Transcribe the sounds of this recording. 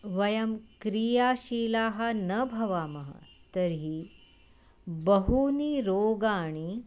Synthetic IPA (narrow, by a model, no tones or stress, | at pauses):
ʋɐjɐmkɾijaɕiːlaɦanəbʱɐʋaːmɐɦa̰t̪əɾɦi | bəɦuːniːɾoɡaːɽ̃i